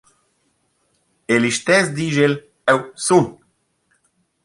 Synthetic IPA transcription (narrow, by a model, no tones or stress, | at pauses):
eliʃt̪ɛzd̪iʒel | ɛwsun